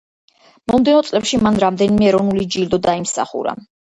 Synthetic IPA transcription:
mɔmd̪ɛnɔt̪sʼlɛpʃimanɾamd̪ɛnimɛːɾɔvnulid͡ʒild̪ɔd̪aimsa̰χṵɾa̰

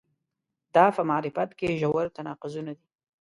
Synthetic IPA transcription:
d̪̥ɑpəmaɾɪfat̪keʒawaɾt̪anɑqʊzunad̪i

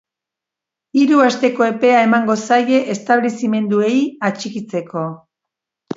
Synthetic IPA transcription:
iɾuast̪e̞ko̞e̞pe̞ae̞maŋɡo̞saje̞ʔest̪aβlisime̞nd̪ue̞jat͡ʃikit͡se̞ko̞

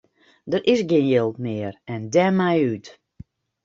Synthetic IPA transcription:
dərʔɪsɡɪnjɪlˠtmɪərɛndɛmajyt

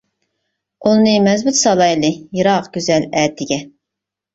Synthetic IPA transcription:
ulˠnɨmɛzbyt̪sɑlˠɑjlˠɨjɨɾɑqɡʲyzɛlɛːd̪ʰɪɡʲɛ

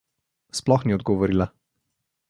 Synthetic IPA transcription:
splɔxniɔd̪̚ɡɔʋɔɾila

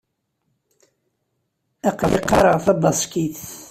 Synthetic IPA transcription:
ɑqliqːɑ̰ɾˤəʁθɑbɑsˤkiθ

